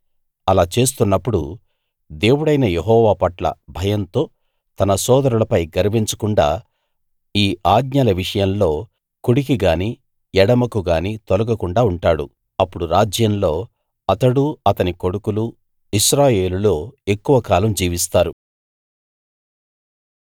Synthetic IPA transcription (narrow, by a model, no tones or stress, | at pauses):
ɐlaːt͡ʃe̞ːs̬t̪unːɐpːuɽu | d̪e̞ːwuɽɐjnɐjeɦɔːʋaːpɐʈlɐ̰bʱɐjɐnt̪o̞ː | t̪ɐnɐsɔːd̪ɐɾulɐpɐjɡɐɾbiɲt͡ʃɐkuɳɖa̰ː | iːʔaːɡ̪̚ɲaːlɐʋiʂɐjɐmlo̞ː | kuɽik̬iɡaːniː | ɛɽɐmɐkuɡaːniːt̪olɐɡɐkuɳɖaːuɳʈaːɽṵ | ɐpːuɽuɾaːd͡ʒjɐmlo̞ː | ɐt̪ɐɽuɐt̪ɐniko̞ɽukulu | iʃɾaːje̞ːlulo̞ːe̞kːuʋɐkaːlɐmd͡ʒiːʋist̪aːɾu